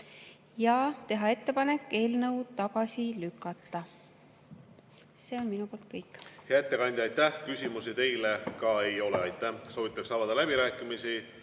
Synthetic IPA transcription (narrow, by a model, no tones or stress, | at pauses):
jɑt̪e̞ɦɑe̞t̪ːe̞pɑne̞kːˑe̞ːlnɤwt̪ɑɡɑsilykːˑɑt̪ːɑ | se̞ːo̞nminupoːlt̪̚kɤjkːˑheɑet̪ːˑekɑnʲd̪ʲiɑjt̪ːæhkysʲimusit̪e̞jlekɑe̞jo̞leɑjt̪ːˑæsoːvit̪ːˑɑksɑːvɑd̪̥ɑlæb̥iɾæːkːˑimisi